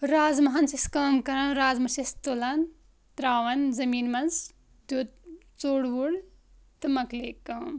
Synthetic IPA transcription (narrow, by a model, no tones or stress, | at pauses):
ɾaːzmɐɦɐnsiskaːmkɐɾɐnɾaːzmɐsist̪olan | t̪ɾaːʋɐnzɐmiːnmɐnz | d̪ut̪̚ | t͡soːɽʋuɽ | t̪ɨmɐkleːkaːm